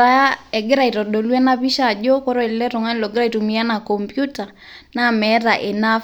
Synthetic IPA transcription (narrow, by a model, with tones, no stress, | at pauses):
a˨ja˦ɛ˨ɡɪ˦ɾa˨i˨tɔ˨ɗo˨lwɛ˦na˦pi˦ʃa˨d͡ʒo˦kɔ˦ɾɔ˦ɛ˨lɛ˦ɾo˨ŋa˦lo˨ɡɪ˦ɾa˦˨i˨tu˨mi˨a˦na˨kɔ˨mpju˦ta˨ | na˦mɛ˨˦ɾa˨ʔe˨na˦